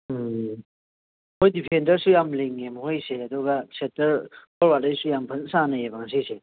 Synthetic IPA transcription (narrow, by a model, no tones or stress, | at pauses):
hojdipʰendɐɾsujamleŋːemhojseɐduɡɐsetɐɾpʰɔɾbaejsujampʰɐnsanɐjebaŋs̬ijse